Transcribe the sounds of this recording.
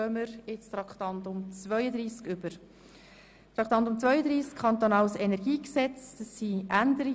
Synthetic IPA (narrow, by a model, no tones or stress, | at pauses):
œməɾɪt͡st̪rɑkχt̪ɑnt̪ʊmt͡sʋœʏəd̪ɾiːskʏb̥əɾ | t̪ɾɑkt̪ɑnt̪ʊmt͡svœʏəd̪ɾiːskʰɑnt̪onɑlsɛnɛɾɡiːksɛt͡sdɑsːiʔændəɾi